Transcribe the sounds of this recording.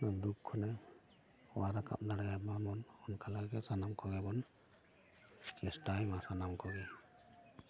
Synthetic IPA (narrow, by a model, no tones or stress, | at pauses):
nad̪ukʰːɔnɛ | waɾaka̰p̚d̪aɽajabamɔnɔnkʰalaɡɛsanamkɔɡɛbɔn | kɛstajmasanamkɔɡɛ